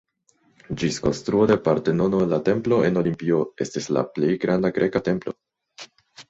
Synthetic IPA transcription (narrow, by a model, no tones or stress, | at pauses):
d͡ʒisko̞̰nstɾuo̞de̞paɾte̞no̞nolːate̞mplo̞e̞no̞limpio̞e̞stisla̰ple̞jɡɾandaɡɾʔe̞kate̞mplo̞